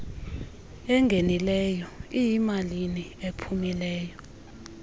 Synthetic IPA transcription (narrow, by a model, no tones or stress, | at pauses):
ɛŋɡʱenilɛjɔijimaliniepʰumilɛːjɔ